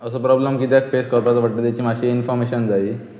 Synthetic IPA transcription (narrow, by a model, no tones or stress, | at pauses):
əsəːpɾɔbləmkit̪jakfeskəɾpɾat͡saʋ̤aʈːət̪jat͡ɕimaɕiinfɔɾmeɕənd͡zai